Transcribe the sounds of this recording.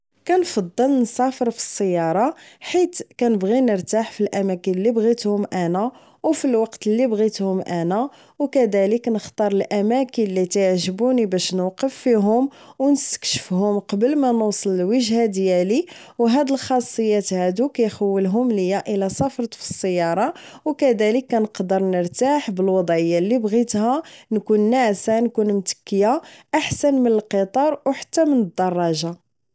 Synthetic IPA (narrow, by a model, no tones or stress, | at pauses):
kænfɑd̪ˤːəlnsˤɑfəɾfi̥sˤːəjːɑɾˤɑħit̪kænəbɣinəɾt̪aħfilʔæmækənlːibɣit̪hʊmʔænæ | wfilwɑqt̪əlːibɣit̪hʊmʔænæ | wkæd̪æləknəxt̪ɑɾˤəlʔæmækənlit̪əʕʒəbunibæʃnuqəfːiɦʊmwnəst̪ə̥kʃə̥fhʊmqɑbəlmænusˤələlwəʒhad̪jæli | wɦæd̪əlxɑsˤːəjːæt̪hæd̪ukæjxəwːəlɦʊmləjːaʔəlæsˤɑfɾˤɑt̪fə̥sˤːəjːɑɾˤɑ | wkæd̪æləkːænəqd̪əɾˤnəɾt̪aħbəlwɑd̪ˤʕəjːalːibɣit̪hænkunːaʕsænkunmt̪ə̥kːəjaʔaħsænmənəlqət̪ˤɑɾˤwħḁt̪ːæmənəd̪ːɑrˤːɑʒa